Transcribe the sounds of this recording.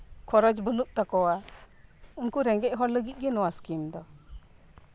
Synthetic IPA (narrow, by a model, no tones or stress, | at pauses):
kʰɔɾɔd͡ʒbɔnuʔ̚t̪akɔwa | unkuɾɛŋɡɛʔ̚ɦɔɾləɡit̪̚ˀɡɛnɔwaskimd̪ɔ